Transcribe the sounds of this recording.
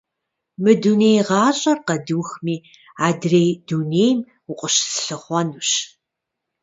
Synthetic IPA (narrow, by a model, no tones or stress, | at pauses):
mɨdunejʁɑːɕʼɐrqɐduwxmiː | aːdrejdunejm | ʊqʷʼʊɕsɬɨχʷɔnuɕ